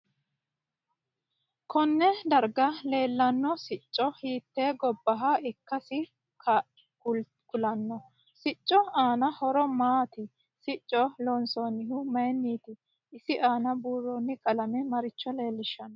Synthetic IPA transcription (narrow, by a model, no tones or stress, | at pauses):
kʰɔnːɛd̪ɐɾɡɐle̞ːlːɐnːɔsɪt͡ʃʼːɔhiːt̪ːeːɡɔbːɐɦɐɪkːɐsɪ | kʰɐ | kʊl | kʊlɐnːɔ | sɪt͡ʃʼːɔaːnɐhɔɾɔmaːt̪ɪ | sɪt͡ʃʼːɔloːnsonːɪɦʊmɐjnːiːt̪ɪ | ɪsɪʔaːnɐbuːrːɔnːɪkʼɐlɐmɛmɐɾɪt͡ʃːɔle̞ːlːɪʃːɐnɔ